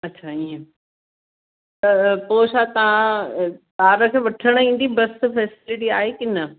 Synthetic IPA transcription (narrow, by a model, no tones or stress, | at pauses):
ɐtːɕʰaiːẽ | t̪ɐpoːʃat̪ɐʋ̤ã | taːɾə̆kʰeːʋɐʈʰəɽ̃ĩːn̆d̪ibɐsfɛːsɪlɪʈiaːɦekɪnə